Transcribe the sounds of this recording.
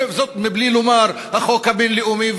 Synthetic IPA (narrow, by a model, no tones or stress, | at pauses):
zot̪miblilumaɾ | haχokhabinleumiv